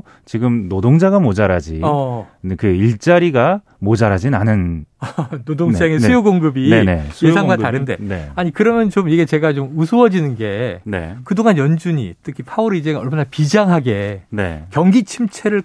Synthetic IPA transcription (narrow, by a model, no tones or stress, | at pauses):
t͡ɕiɡɯmnodoŋd͡ʑaɡamod͡ʑaɾad͡ʑiʌkɯiɭt͡ɕ͈aɾiɡa | mod͡ʑaɾad͡ʑinanɯn | nodoŋt͡ɕ͈aŋesujoɡoŋɡɯbinene̞sʰjesʰaŋɡwataɾɯnde̞̰neaɲikɯɾʌmjʌnt͡ɕomiɡe̞t͡ɕe̞ɡat͡ɕomusʰuʌd͡ʑinɯnɡe̞nḛkɯdoŋanjʌnd͡ʑuɲḭt͈ɯkʰipʰauɾid͡ʑeʌɭmanapid͡ʑaŋɦaɡe̞nḛkjʌŋɡit͡ɕʰimt͡ɕʰe̞ɾɯɭ